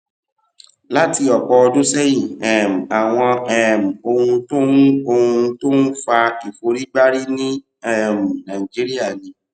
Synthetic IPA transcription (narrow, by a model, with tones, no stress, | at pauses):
la˦ti˧ɔ˨k͡pɔ˧ɔ˧dũ˦sɛ˦jĩ˦˨ɛ˨m̩˨a˨w̃ɔ̃˧ɛ˦˨m̩˨o˧hũ˧to˦nũ˦o˧hũ˧to˦nu˦fa˧i˨fo˨˦ɾi˦ɡ͡ba˦ɾi˦nĩ˦ | ɛ˦˨m̩˨nã˨ĩ˨d͡ʒi˨˦ɾi˦a˦˨nĩ˨˦